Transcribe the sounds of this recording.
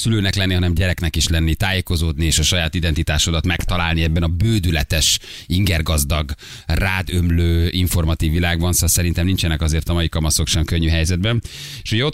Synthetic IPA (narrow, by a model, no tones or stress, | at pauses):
syløːnɛklɛnːiɦɒnɛmɟɛɾɛknɛkiʃlɛnːit̪aːjeːko̞zoːd̪nieːʃɒʃɒjaːt̪id̪ɛnt̪it̪aːʃod̪ɒt̪mɛkt̪ɒlaːlniɛbːɛnɒbøːd̪ylɛt̪ɛʃ | iŋɡɛrɡɒzd̪ɒɡ | raːd̪ømløːiɱfo̞rmɒt̪iːvːilaːɡbɒnssɛɾint̪ɛmnint͡ʃɛnɛkɒzeːrt̪ɒmɒjikɒmɒso̞kʃɛmkøɲːyɦɛjzɛd̪bɛn | eːʃuɟɛo̞